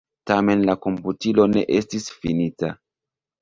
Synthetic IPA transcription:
tame̞nlako̞mputilo̞ne̞̰ʔe̞stisfḭnita

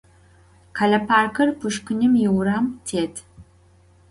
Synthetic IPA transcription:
kʰɐɮɐpʰaːrkʰɐrpʰɨʃkʷʊnɨmjɪwɾaːmtʰeːtʰ

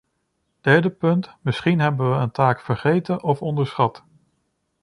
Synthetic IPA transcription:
d̥ɛɹdəpɵntmɪsχinɦɛbənʋəəntaːkfəɹχejtənʔɔfɔndəɹsχɑt

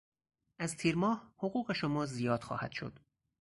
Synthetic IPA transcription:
ʔæzt̪ʰiːɾmɒːhhoɣuːɣe̞ʃomɒːzijɒːd̪̥xɒ̰ːhæ̰d̪̥ʃo̰d̪̥

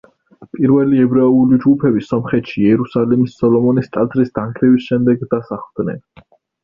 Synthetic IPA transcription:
pʼiɾvɛliɛbɾɛɛulid͡ʒɡupʰɛbisɔmχɛt̪ʃiɛɾusalimisɔlɔmɔnist̪ʼad̪zɾisd̪̥aŋkʰlivisʃɛmd̪ɛɡd̪asaχvd̪nɛ̰n

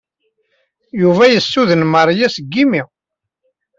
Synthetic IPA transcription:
juvæjəsːuðənməɾˤjæsəɡːimi

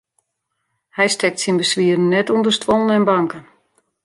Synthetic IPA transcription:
hɛjstɛk̚tsinbəsʋiədən̩ːɛtundərstʋɔlˠənɛnbaŋkən

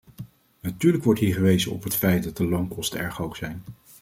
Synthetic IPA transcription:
natyːɹləkʋɔɹtɦiːɹχəʋejzənɔ̰pɦətfɛjt̚dɑt̚dəlowŋkɔstəɛɹχowksɛjn

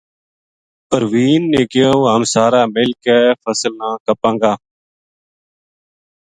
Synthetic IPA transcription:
pəɾʋiːnːẽːkɪjowɦəmsaːɾaːmɪlkeːfəsəlnãːkəpãːŋɡaː

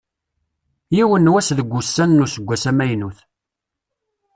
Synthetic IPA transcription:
jiwənːwæsðəɡʷːusːænːusəɡʷːæsæmæjnuθ

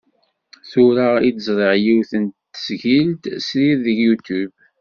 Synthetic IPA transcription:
θʊɾaid̪əzˤɾˤəʁjiwθənt̪ːə̥sʝilt̪sɾiɾðəɡjut̪ub

